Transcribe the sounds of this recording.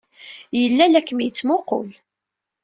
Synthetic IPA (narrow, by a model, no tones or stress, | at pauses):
jəlːælækːəmjət͡sːmoqʊ̰l